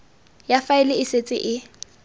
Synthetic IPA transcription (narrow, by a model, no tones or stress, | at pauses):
jafaɪlɪɪset͡sʼɪ̰ʔɪ